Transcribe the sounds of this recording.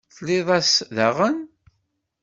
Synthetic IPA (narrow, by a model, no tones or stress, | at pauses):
θlɪðˤɑsðaʁən